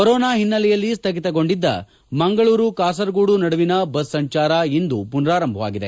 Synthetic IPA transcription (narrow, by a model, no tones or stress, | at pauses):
koɾɔːnaːɦinːɐlɛjɐlːist̪ʰɐɡit̪ɐɡo̞ɳɖid̪ːɐ̰ | mɐŋɡɐɭuːɾukaːs̬ɐɾɡuːɽunɐɽuʋinɐbɐsːɐɲt͡ʃaːɾɐind̪upunɾaːɾɐmbʱɐʋa̰ːɡid̪e